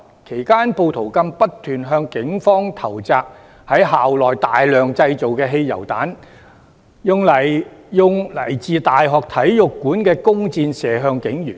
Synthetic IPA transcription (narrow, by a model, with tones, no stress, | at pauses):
kʰe˨˩jkaː˥npo˧wt̪ʰo˨˩wkɐ˧mpɐ˥tt̪ʰyː˨˩nɦœː˧ŋkɪ˨˥ŋfɔː˥ŋt̪ʰɐ˨˩wt͡saː˨˧k̚ | hɐ˨˥jɦaː˨wlɔː˨jt̪aː˨jlœː˨ŋt͡sɐ˧jt͡so˨wkɛː˧ɦe˧jjɐ̰˨˩wt̪a̰ː˨˥n | jʊ˨˩ŋlɐ˨˩jjʊ˨ŋlɐ˨˩jt͡siː˨˧t̪aː˨jɦɔː˨k̚t̪ʰɐ˨˥jjʊ˨kːuː˨˥nkɛː˧kʊ˥ŋt͡siː˧nsɛː˨ɦœː˧ŋkɪ˨˥ŋjyː˨˩n